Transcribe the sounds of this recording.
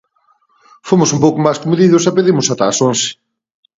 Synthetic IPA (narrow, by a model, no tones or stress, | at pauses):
fomʊsumpowkʊmajskomuðiðʊsapeðiɾmʊsat̪asonsɪ̥